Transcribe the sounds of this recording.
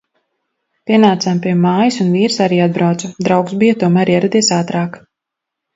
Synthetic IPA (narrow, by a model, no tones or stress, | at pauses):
piɛnaːt̪sampiɛmaːjisunviːɾsaɾiːad̪̚bɾawt̪sud̪ɾawksbijat̪uɔmæːɾiɛɾad̪iɛsaːt̪ɾaːk